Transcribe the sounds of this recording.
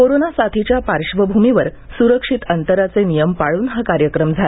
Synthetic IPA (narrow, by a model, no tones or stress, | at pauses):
koɾonasat̪ʰit͡ɕjapaɾʂʋəbʱumiʋəɾ | suɾəkʂit̪ənt̪əɾat͡senijəmpaɭuːnɦakaɾjəkɾəmd͡zʱal